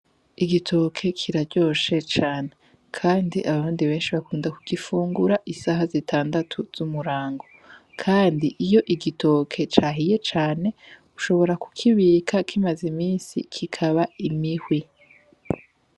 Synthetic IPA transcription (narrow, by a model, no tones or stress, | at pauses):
iɡitʰo̞kʰe̞kʰiɾaɾɟo̞ːʃe̞t͡ʃaːne̞ | kʰaːndiʔaβaβuːndiβe̞ːnʃiβakuːndakuɡ̥ifuːŋɡuɾaʔisaɦazitʰaːndatʰuz̥umuɾaːŋɡo̞ | kʰaːndiʔijo̞ʔiɡitʰo̞kʰe̞t͡ʃaːɦije̞t͡ʃaːne̞ | uʃo̞βo̞ɾaku̥kʰiβiːkʰakʰimazimiːnsḭkʰikʰaβaimihwi